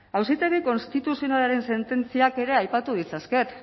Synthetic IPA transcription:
awsit̪e̞ɣiko̞nst̪it̪usionalaɾe̞nse̞nt̪e̞nt͡siake̞ɾe̞ajpat̪uðit͡saske̞t̪

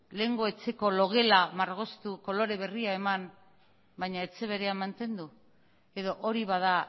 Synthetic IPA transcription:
le̞ːŋɡo̞e̞t͡se̞ko̞lo̞ɣe̞lamaɾɣ̞o̞st̪uko̞lo̞ɾe̞βe̞riae̞man | baɲae̞t͡se̞β̞e̞ɾe̞amant̪e̞nd̪u | e̞ðo̞ʔoɾiβað̞a

